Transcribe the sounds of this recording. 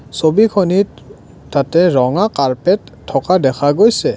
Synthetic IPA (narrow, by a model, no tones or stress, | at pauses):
sobikʰonitː | atɛɹɔŋakaɹpɛtʰːɔkadɛkʰaɡojsɛ